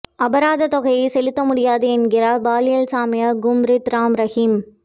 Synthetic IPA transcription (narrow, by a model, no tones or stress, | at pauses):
ɐbɐɾaːðɐt̪ɔɣɐjɐɪsɛlɪt̪ːɐmʊɽɪjaːðeɛnɡɪɾɐbaːlɪjɐlsaːmɪjɐɡʊmɾɪt̪ɾaːmɾɐhiːm